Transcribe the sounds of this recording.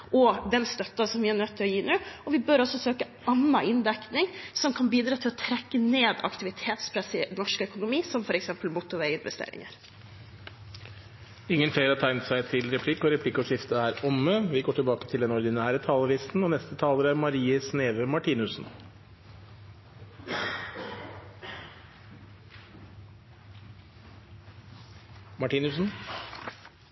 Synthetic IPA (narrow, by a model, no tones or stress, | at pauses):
ʔɔd̪ɛnst̪œt̪ːɑsɔmʋɪænœt̪ʰːɪlɔjiːnʉɔʋɪbœɾɔsɔsøːkə | ɑnːɑʔɪnd̪ɛknɪŋsɔmkʰɑnbiːd̪ɾɑːt̪ʰɪlɔt̪ʰɾɛkːəneːd̪ɑ̰kt̪ɪʋɪt̪ʰeːt̪spʰɾɛsɪnɔʂkœkʊnʊmiːsɔmfɔɾɛksɛmpəlmʊt̪ʊʋɛɪɪnʋɛst̪ḛːɾɪ̰ŋə̰ɾ | ɪŋːənfleɪɾɑt̪ʰæɪnt̪sæɪt̪ʰɪlɾɛpʰlɪkːɔɾɛpʰlɪkːɔʂɪft̪əæɾɔmːəʋɪɡoːʈʰɪlbɑːkə̥t̪ʰɪld̪ɛnɔɾd̪ɪnæːɾət̪ʰɑːləʋiːsn̩ɔnɛst̪ət̪ʰɑːləɾæɾmɑɾiːəsneːʋəmɑʈʰiːnʉsn̩ | mɑʈiːnʉsn̩